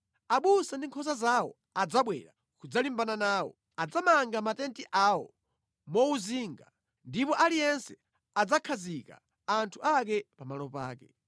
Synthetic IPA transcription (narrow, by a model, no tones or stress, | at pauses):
aɓusandiŋkʰɔsazawɔ̰ | ad͡zaɓwɛ̰ɾa | kud͡zalimbananaːwɔ̰ | ad͡zamaŋɡamatɛntiʔawɔ̰ | mɔuziːŋɡa̰ | ndipɔʔalijɛnsɛ | ad͡zakʰazika̰ | antʰuʔakɛpamalɔpa̰ːkɛ